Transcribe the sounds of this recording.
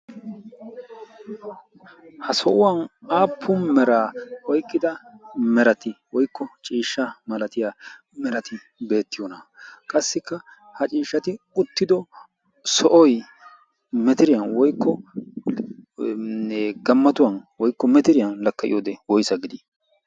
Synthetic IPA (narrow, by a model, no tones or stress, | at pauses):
hɐsɔʔʊwɐnaːpʰːʊnmɛɾaːwɔjkʼːɪd̪ɐmɛɾɐt̪ɪwɔjkːɔt͡ʃʼiːʃːɐmɐlɐt̪ɪjaː | mɛɾɐt̪ɪ | be̞ːt̪ːɪjɔnɐkʼɐsːɪkːɐ | hɐt͡ʃʼiːʃːɐt̪ɪ | ʊt̪ːɪd̪ɔ | sɔʔɔj | mɛt̪ɪɾɪjɐnwɔjkːɔ | ɡɐmːɐt̪ʊwɐnwɔjkːɔmɛt̪ɪɾɪjɐnlɐkːɐʔɪ̰joːd̪ɛwɔjsɐɡɪd̪ɪ